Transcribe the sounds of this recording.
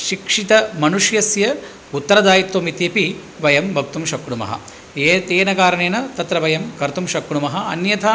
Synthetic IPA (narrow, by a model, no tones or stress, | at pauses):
ʃikʂit̪ɐmɐnuʂjɐsjɐ | ut̪ːɐɾɐd̪aːjit̪ʋoːmit̪jɐpi | ʋɐjɐmbʱɐk̚t̪umʃɐkːɳumɐ̰ɦɐ̰ | et̪eːnɐkaːɾɐɳeːnɐt̪ɐt̪ɾɐʋɐjɐmkɐɾt̪umʃɐkːɳumɐɦɐ̆ɐnjɐt̪ʰɐ